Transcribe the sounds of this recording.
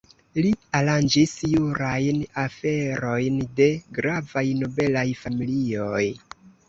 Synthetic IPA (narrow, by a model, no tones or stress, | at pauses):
lialand͡ʒisjuɾajnafe̞ɾo̞jnde̞ɡɾavajno̞be̞lajfamilio̞j